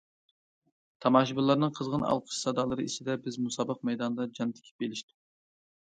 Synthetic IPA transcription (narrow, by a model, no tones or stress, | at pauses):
t̪ʰɑmɑːʃibɨlˠːɑɾnɨŋqʰəzʁənɑ̰lˠqʰə̥ʃsɑd̪ɑlˠɨɾɨit͡ʃ̪ɪd̪ɛbɪzmusɑːbəq̚mɛjd̪ɑnd̪ɑd͡ʒɑnt̪ʰɪ̥kʲʰi̥p̚belɪʃt̪ɪ